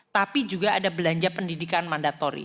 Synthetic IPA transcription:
t̪apid͡ʒuɡaadabəlaɲd͡ʒapəndidikanmandat̪ɔɾḭ

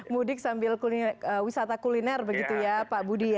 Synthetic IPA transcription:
mudɪk̚sambɪlkuliəwisat̪akulinɛrbəɡit̪ujapabudija

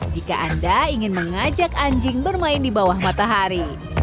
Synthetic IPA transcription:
d͡ʒika̰ʔandaiŋɪnməŋad͡ʒakaɲd͡ʒɪŋbərmaɪndibawahmat̪aɦaɾi

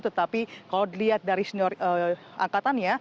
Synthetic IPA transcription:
t̪ut̪apikaladiliɦat̪̚daɾisənɔrə | ʔa̰ŋkat̪anja

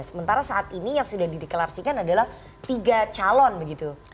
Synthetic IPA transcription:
səmənt̪aɾasaʔat̪inijaŋsudahdidikəlarsikanadalah | t̪iɡat͡ʃalɔnbəɡit̪u

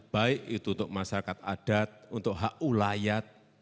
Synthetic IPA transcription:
b̥aɪʔit̪unt̪ʊʔ̚masaɾakat̪̚a̰d̥at̪̚unt̪ʊʔɦaʔulajat̪̚

